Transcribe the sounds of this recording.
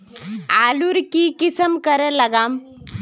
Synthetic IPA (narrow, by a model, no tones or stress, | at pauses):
aluɾkikisəmkəɾɛlaɡam